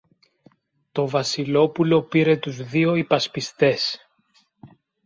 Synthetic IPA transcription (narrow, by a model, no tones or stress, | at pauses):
t̪o̞vɐsilo̞pulo̞piɾe̞t̪uzðio̞ipɐspist̪e̞s